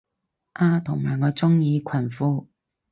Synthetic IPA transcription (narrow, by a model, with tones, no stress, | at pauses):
ʔaː˧˩t̪ʰʊ˨˩ŋmaː˨˩jŋɔː˨˧t͡sʊ˥ŋjiː˨˧kʷʰɐ˨˩nfuː˥